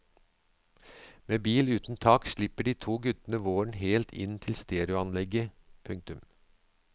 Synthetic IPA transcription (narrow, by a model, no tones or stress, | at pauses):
meːbiːlʉːt̪n̩t̪ʰɑːkʃɭɪpəɖiːt̪ʰuːɡʉt̪ən̩əʋoːɳ̩ɦeːlt̪ʰɪ̰nt̪ʰɪlst̪eːɾɪʊɑnlɛɡə | pʰʉŋk̚t̪ʉm